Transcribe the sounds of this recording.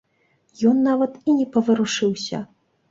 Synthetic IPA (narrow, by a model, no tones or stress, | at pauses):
jɔnːavɐt̪inʲɛpɐvɨɾuʂɨwsʲɐ̰